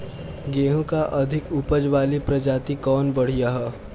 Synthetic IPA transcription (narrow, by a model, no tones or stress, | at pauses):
ɡeːɦõkaʔɐd̪ʱɪkupəd͡ʒʋaːlipɾɐd͡ʒaːt̪ikɔːnbɐɽ̤ijaɦɛː